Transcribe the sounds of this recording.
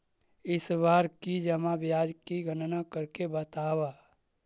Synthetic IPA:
ɪsʋaːɾkid͡ʒəmabjaːd͡ʒkiɡʱənnakəɾkebət̪aːwaː

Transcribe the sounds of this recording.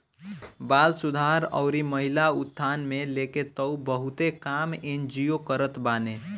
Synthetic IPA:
balsud̪ʱaɾə̰ʊɾiməɦilaut̪̚t̪ʰːanmeleket̪əubəɦut̪ekamend͡ʒiokəɾət̪bane

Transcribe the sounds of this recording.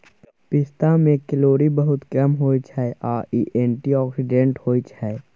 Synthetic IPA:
pɪst̪amẽkɪloːɾibəɦʊt̪kəmɦoːit͡ʃʰaɛʔaːʔiʔẽːɳʈiɔːksɪɖẽɳʈhoːit͡ʃʰɛe

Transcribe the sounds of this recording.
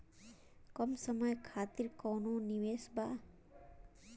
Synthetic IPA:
kɔmsəmɔjkʰat̪iɾkɔwnoniwesba

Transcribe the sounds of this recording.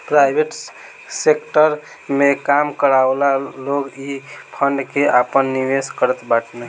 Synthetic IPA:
pɾajbʱeʈ | sekʈəɾ | mekamkəɾaolaloɡipʰəɳɖkeʔapənːiʋeskəɾət̪baʈne

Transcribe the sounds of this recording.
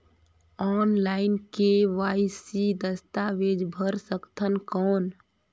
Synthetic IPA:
ɔːnlaːɪnkeʋaːisid̪əst̪aʋeːd͡ʒbʱəɾsəkt̪ʰənkɔːn

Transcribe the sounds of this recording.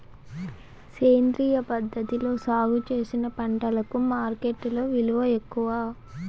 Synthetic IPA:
seːnd̪ɾiːjɐpɐd̪ʱːɐt̪ilo̞ːsaːɡut͡ʃe̞ːsinɐpɐɳʈɐlɐkumaːɾke̞ʈːlo̞ːʋiluʋɐekːuʋaː

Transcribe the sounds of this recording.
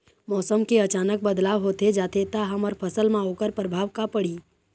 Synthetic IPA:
mɔːsəmkeət͡ʃaːnək̚bəd̪laːʋɦot̪ed͡ʒaːt̪ʰet̪aɦəməɾpʰəsəlmãoːkəɾpɾəbʱaːʋkapəɽiː

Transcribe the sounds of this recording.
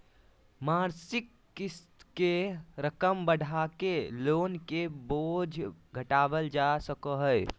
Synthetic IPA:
maɾsɪkː | ist̪keɾəkəmbəɽʱakeloːnkebod͡ʒʱɡʱəʈaːʋəld͡ʒasəkəɦəj

